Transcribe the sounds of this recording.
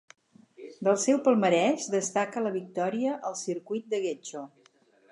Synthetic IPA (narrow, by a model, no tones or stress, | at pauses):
d̪əlˠsɛwpəlˠməɾɛʒd̪əst̪akələβik̚t̪ɔɾiəʔəlˠsiɾkujt̪̚d̪əɣet͡ʃo